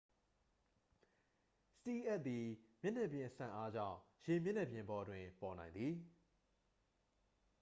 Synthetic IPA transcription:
sə̥ti˦˨ʔɛ˦ʔ̪̚t̪ːi˨mjɪ˦ʔnɛ˦˨bjɪ̃˨ʔəsã̰˨ʔa˦d͡ʑã̰˦˨ʊ̃je˨mjɪ̃˦˨n̥ɛ˦˨bjɪ̃˨mbɔ˨dwɪ̃˨pɔ˨nã˨ɪ̃nd̪ði˨

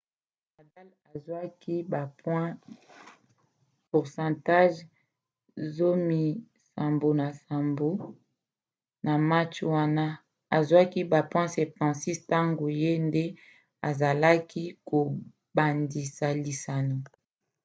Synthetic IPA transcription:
a˨da˦la˨zwa˦ki˦ba˨pwɛ̃˦ | pu˨ʁsɑ̃˨ta˦ʒ | zo˦mi˨ | sa˨mbo˨na˨sa˨mbo˨˦ | na˨ma˦t͡ʃwa˦na˦ | a˨zwa˦ki˦ba˨pwɛ̃˦sɛ˨p̚tã˨si˦sta˦ŋɡo˨je˦nde˦ | a˨za˨la˦ki˦ko˨ | ba˨ndi˨sa˨li˨sa˨nu˨

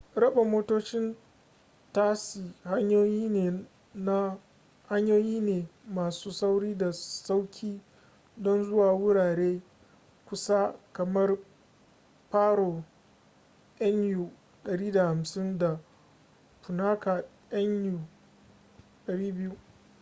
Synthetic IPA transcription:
ɾɐ˦ɓa˨moː˦toː˦t͡ʃɪ˦n | ta˦si˨ha˦ɲjoː˦jiː˦neː˨ | na˦ | ha˦ɲjoː˦jiː˦neː˨maː˨suː˦sa˦wɽiː˦da˨sa˦wkʲʰiː˦ | dɔ˦nzʊ˦waː˨wʊ˦ɽaː˨ɽeː˦ | kʷʊ˦sa˦kɐ˨mɐ˦r | paː˦ɾoː˨ | ʔɐ˦nju˨ | ɗɐ˨ɽiː˦da˨ha˨msɪ˦nda˨ | pʊ˨naː˦ka˨ | jɐ˦njuː˨ | ɗɐ˨ɽiː˦bɪ˦ju˦

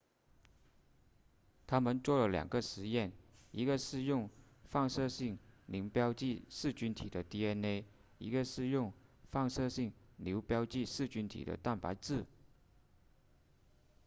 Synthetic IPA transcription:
t̪ʰa˥mə˨nt͡swɔ˥˩lə˩ljɑ̰˨˩ŋɡə˦ʂɻ̩˧˥jɛ˥˩ni˧˥ɡə˧ʂɻ̩˥˧jʊ˥˧ŋ | fɑ˥˧ŋʂɤ˥˧ɕi˥˩ŋli˧˥ŋpjɑ˥ʊt͡ɕi˥˧ʂɻ̩˥˩t͡ɕy˥nt̪ʰḭ˨˩d̪ə˦t̪i˥ɛ˥ne˥ɪ | i˧˥ɡə˧ʂɻ̩˥˧jʊ˥˧ŋfɑ˥˧ŋʂɤ˥˧ɕi˥˩ŋljo˧˥ʊpjɑ˥ʊt͡ɕi˥˧ʂɹ̩˥˩t͡ɕy˥nt̪ʰḭ˨˩d̪ə̰˦t̪a˥˩npa˧˥ɪt͡sɹ̩˥˩

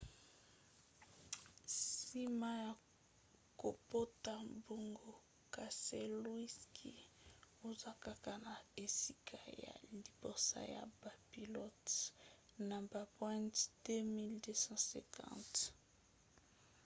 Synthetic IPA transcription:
si˦ma˦ja˨ | ko˨po˦ta˨bo˨ŋɡo˨ | ka˨se˦lwi˦skʰḭ˦ | o˦za˦ka˦ka˦na˨e˨si˦kʰa˨ja̰˨li˨bo˨sa̰˦ja̰˨ba˨pi˨lɔ˦t | na˨ba˨pwɛ̃˦ntd̥e˦mi˦lde˦sɑ̃˦sɛ̰̃˨kʰɑ̰̃˦t

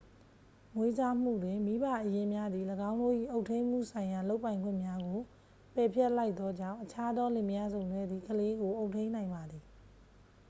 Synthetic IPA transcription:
ŋwe˦d͡ʑa˦m̥ṵ˦˨dwɪ̃˨mi˦ba˦˨ʔəjɪ̃˦mja˦d̪ði˨ləɡã˦ʊ̃ndo̰˦˨ʔḭ˦˨ʔo˦ʊtʰẽ˦ɪ̃m̥ṵ˦˨sʰã˨ɪ̃ja˨lo˦ʊpːã˨ɪ̃ŋɡwɪ̰̃˦˨mja˦ɡo˨ | pɛ˨pʰjɛ˦ʔla˦ɪt̪ːɔ˦d͡ʑã̰˦˨ʊ̃ʔət͡ɕʰa˦d̪ɔ˦lɪ̃˨mja˦zõ˨ʊ̃ndwɛ˦d̪ði˨kʰəle˦ɡo˨ʔo˦ʊtʰːẽ˦nã˨ɪ̃mba˨d̪ði˨

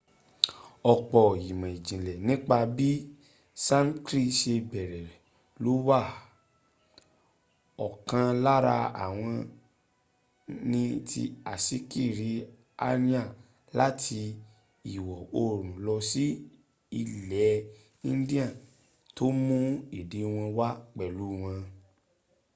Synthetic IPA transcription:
ɔ˧k͡pɔ˧˨ji˨mã˨i˨d͡ʒĩ˨lɛ˨nĩ˦k͡pa˧bi˦ | sã˦n˦kɾi˦˨ʃe˧bɛ˨ɾɛ˨ɾɛ˨ | lo˨˦wa˦˨ | ɔ˨kã˧la˦ɾa˧a̰˨w̃ɔ̃˧ | nĩ˧tḭ˧a˨si˨˦ki˦˨ɾi˨˦ | a̰˧nĩ˦a˦˨ | la˦tʰi˧ | i˨wɔ˨o˧ɾ̃ũ˨lɔ˧si˦ | i˧lɛ˨˦ | ĩ˦n˦di˦ã˦˨ | to˦mũ˦i˨de˨˦w̃ɔ̃˧wa˦k͡pɛ˨lu˨˦˨w̃ɔ̃˧

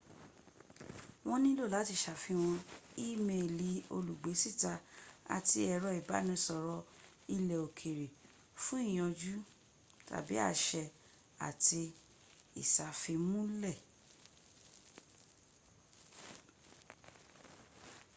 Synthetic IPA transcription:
w̃ɔ̃˧nĩ˦lo˦˨la˨˦ti˧˨ʃa˨fi˧w̃ɔ̃˧i˦˨mẽ˧˨li˨˦o̰˧lu˨ɡ͡be˨˦si˦˨ta˧a̰˨ti˧ɛ˧˨ɾɔ˧i˨ba̰˨˦nĩ˧sɔ˧˨ɾɔ˧ | i˧lɛ˨o˨kʰe˨ɾe˨ | fũ˦i˦˨j̃ɔ̃˨˧d͡ʒu˦ | ta̰˨bi˨˦a̰˦˨ʃɛ˧ | a̰˨ti˧ | ḭ˨sa˨fi˧mũ˦lɛ˦˨

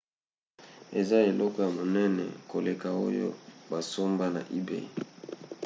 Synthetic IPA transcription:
e˨za˦e˨lɔ˦kɔ˦ja˨mo˨nɛ˦nɛ̰˨ko˨le˨ka˨o̰˦jo̰˦ba˨so˦mba˦na̰˨ʔi˦bḛ˦˨i˨

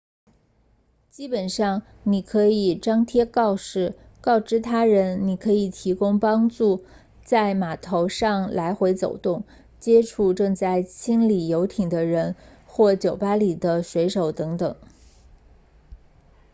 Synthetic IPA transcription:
t͡ɕi˥pə˨˩nʂɑ˥˩ŋ | ni˨˩kʰɤ˧˥i˨˩ʈ͡ʂɑ˥ŋt̪ʰjɛ˥kɑ˥˧ʊʂɻ̩˥˩kɑ˥˩ʊʈ͡ʂɻ̩˥t̪ʰa˥ɻə˧˥nni˨˩kʰɤ˧˥i˨˩t̪ʰi˧˥kʊ˥ŋpɑ˥ŋʈ͡ʂu˥˩ | t͡sa˥˩ɪma˨˩t̪ʰo˧˥ʊʂɑ˥˩ŋla˧˥ɪxwe˧˥ɪt͡so˨˩ʊt̪ʊ˥˩ŋ | t͡ɕjɛ˥ʈ͡ʂʰu˥˧ʈ͡ʂɤ˥˧ŋt͡sa˥˩ɪt͡ɕʰi˥nli˨˩jo˧˥ʊt̪ʰi˨˩ŋd̪ə˦ɻə˧˥nxwɔ˥˩t͡ɕjo˨˩ʊpa˥li˨˩d̪ə˦ʂwe˧˥ɪʂo˨˩ʊt̪ɤ˧˥ŋt̪ɤ˨˩˦ŋ

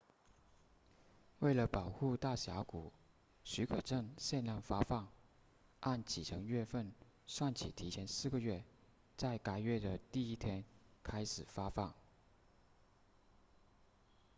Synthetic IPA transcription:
we˥˩ɪlə˩pɑ˨˩ʊxu˥˧t̪a˥˩ɕja˧˥ku˨˩˦ | ɕy˧˥kʰɤ˨˩ʈ͡ʂə˥˧ŋɕjɛ˥˧nljɑ˥˩ŋfa˥fɑ˥˩ŋ | ʔa˥˩nt͡ɕʰi˨˩ʈ͡ʂʰɤ˧˥ŋɥɛ˥˧fə˥˩n | ʂwa˥˩nt͡ɕʰḭ˨˩t̪ʰi˧˥t͡ɕʰjɛ˧˥nsɹ̩˥˩ɡə˩ɥɛ˥˩ | t͡sa˥˩ɪka˧˥ɪɥɛ˥˩d̪ə˩t̪i˥˩i˥t̪ʰjɛ˥nkʰa˥ɪʂɻ̩˨˩fa˥fɑ˥˩ŋ

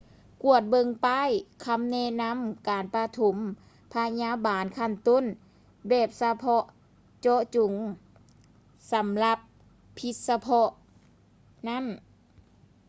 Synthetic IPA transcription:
ku˧˩ət̪̚bɤ˧˨ŋpaː˧˥˨jkʰa˧˥˨mnɛ˧˥na˧˥˨mkaː˨npa˧t̪ʰu˨˩˦m | pʰa˧ɲaː˧˥˨baː˨nkʰa˧˨nt̪o˧˥˨n | bɛː˨˩p̚sa˧pʰɔ˧ʔ | t͡ɕɔ˧t͡ɕu˨˩˦ŋ | sa˨˦mla˧pʰː | i˧t̪̚sa˧pʰɔ˧ʔ | na˧˥˨n

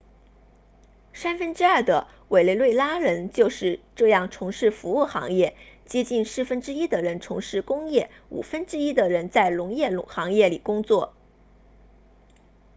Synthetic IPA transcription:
ʂa˥nfə˥nʈ͡ʂɻ̩˥ɐ˞˥˩d̪ə˩ | we˨˩ɪle˥˧ɪlwe˥˩ɪla˥ɻə˧˥nt͡ɕjo˥˧ʊʂɻ̩˥˧ʈ͡ʂɤ˥˧jɑ˥˩ŋʈ͡ʂʰʊ˧˥ŋʂɻ̩˥˩fu˧˥u˥˩xɑ̰˧˥ŋjɛ˥˩t͡ɕjɛ˥t͡ɕi˥˧nʂɻ̩˥˩fə˥nʈ͡ʂɻ̩˥i˥d̪ə˨ɻə˧˥nʈ͡ʂʰʊ˧˥ŋʂɻ̩˥˩kʊ˥ŋjɛ˥˩ | ṵ˨˩fə˥nʈ͡ʂɻ̩˥i˥d̪ə˨ɻə˧˥nt͡sa˥˩ɪlʊ˧˥ŋjɛ˥˩lʊ˧˥ŋxɑ˧˥ŋjɛ˥˩li˨˩kʊ˥ŋt͡swɔ˥˩

